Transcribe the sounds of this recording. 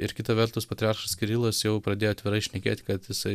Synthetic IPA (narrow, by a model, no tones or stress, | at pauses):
ɪɾkʲɪt̪ɐʋʲɛɾt̪ʊspɐt̪ʲɾʲɪɑːɾʃɐskʲɪɾʲiːlˠosjɛʊpɾɐd̪ʲeːjoːt̪ʋʲɪɾɐɪʃʲnʲɛkʲḛːt̪ʲkɐt̪jɪsɐɪ